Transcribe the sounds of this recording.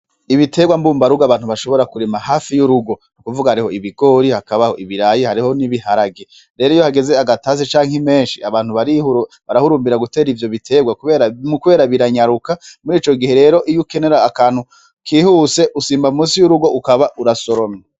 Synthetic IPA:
iβitʰe̞ɡwambuːmbaɾuɡaβaːn̥huβaʃo̞βo̞ɾakuɾimahaːfijuɾuɡo̞nukuvuɡahaɾiho̞iβiɡo̞ːɾihakaβaho̞ʔiβiɾajihaɾiho̞niβihaɾaɡe | ɾe̞ːɾoijohaɡe̞ze̞aɡataːzet͡ʃaːŋheme̞ːnʃiaβaːn̥huβaɾiu | βaɾahuɾuːmbiɾaɡute̞ːɾivjo̞βitʰe̞ɡwakuβe̞ːɾamukuβe̞ːɾaβiɾaɲaɾukamuɾiːt͡ʃo̞ɡihe̞ɾe̞ːɾo̞ʔijuke̞ne̞ɾaːkaːn̥hu | kʰiːhuse̞ʔusiːmbaumuːsijuɾuɡo̞ʔukaβaʔuɾaso̞ɾomɲa

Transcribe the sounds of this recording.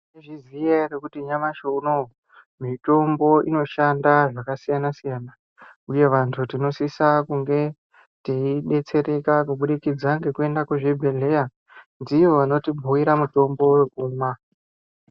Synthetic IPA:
neʐizijerekutiɲamaʃouno | mito̞mbo̞ʔino̞ʃandaʐakasijanasijaːna | uje̞ʋantʰutino̞sisakuŋɡe̞ | teiɗe̞t͡se̞re̞kakuɓuɗikid͡zaŋɡe̞kue̞ndakweʐebʱe̞le̞ja | ndiʋoʋano̞tibʱuwiɾamuto̞mbo̞wekuːma

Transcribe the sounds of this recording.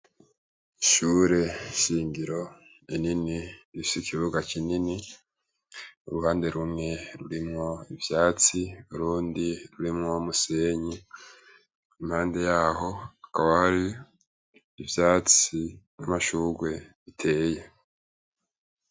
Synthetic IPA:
iʃuːɾe̞ʃiːŋɡiɾo̞ | ininiɾifisikʰiβuɡakinini | ṵɾuhaːnde̞ɾumŋe̞ɾuɾimŋo̞ivjaːt͡siuɾuːndiɾuɾimŋo̞muse̞ɲi | imhaːnde̞jaːɦo̞akaβahaɾi | vjaːt͡sinamaʃuːɾɡwe̞βitʰe̞ːje̞

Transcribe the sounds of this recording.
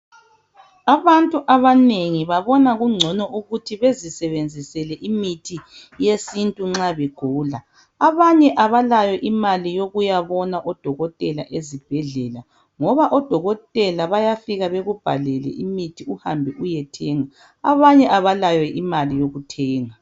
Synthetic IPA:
aβantʼuʔaβaneŋiβaβɔnaɣuŋ͡ǀʱɔnɔʔuɣutʰiβezisɛβend͡zʱisɛlɛʔimitʰi | jesintʼuŋ͡ǁaβɛɡ̥ʱuːla | aβaɲɛʔaβalajɛʔimalijoɣujaβɔnaʔɔd̥ʱɔɣɔtʼɛla̰ʔezib̥ʱɛɮɛla | ŋɔβaʔɔd̥ʱɔɣɔtʼɛlaβajafiɣaβeɣub̥ʱa̰lɛlɛ̰ʔimitʰiuhambʱɛʔujɛtʰɛːŋa | aβaɲɛʔaβalajɛʔimalijoɣutʰɛːŋa

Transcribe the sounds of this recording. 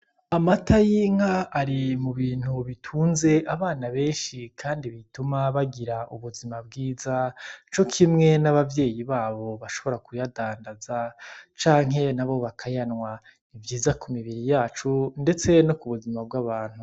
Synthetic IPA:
amatʰajiŋaːɾimuβiːn̥huβitʰuːnze̞ʔaβaːnaβe̞ːnʃikʰaːndiβitumaβaɡiɾaʔuβuzimab̚ɡiːzat͡ʃo̞kʰimŋe̞naβavje̞ːjiβaːβo̞βaʃo̞βo̞ɾakujadaːndazat͡ʃaːŋɦe̞naβo̞βakʰajanŋwa | ivjiːzakʰumiβiɾijaːt͡ʃunde̞t͡se̞nokuβuzimab̚ɡaβaːn̥hu

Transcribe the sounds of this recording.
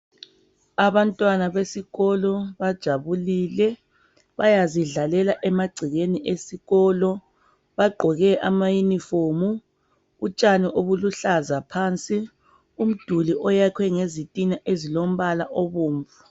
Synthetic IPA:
aβantʼwanaβesiɣɔlɔβad̥ʒ̥ʱaβuliːlɛ | βajaziɮalɛlaʔɛmaɡ͡ǀʱiɣeniʔesiɣɔːlɔ | βaɡ͡ǃʱɔɣɛʔamajunifoːmuː | t͡ʃʼaniʔoβuluɬazapʰaːnt͡sʼi | um̩d̥ʱuliʔɔjakʰwɛŋezitʼinaʔezilom̩βalaʔoβuːɱvu

